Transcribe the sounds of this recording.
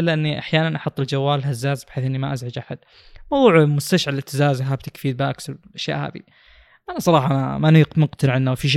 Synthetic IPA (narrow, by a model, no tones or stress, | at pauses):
lʔɪnːiʔaħjaːnanʔɑħʊt̪ˤːɪld͡ʒawːaːlɦazːaːzbɪħeːθʔɪnːimaʔazʕad͡ʒʔaħad̪̚ | mɑwðˤuːʕmʊst̪aʃʕalɪt̪ɪzaːzɦab̚t̪ɪkfiːd̪̚baʔaksalʔaʃja̰ːʔha̰ːðḭ | ʔanasˤɑɾˤɑːħɑmamaniqmʊqt̪ɪnʕɪnːawfiʃ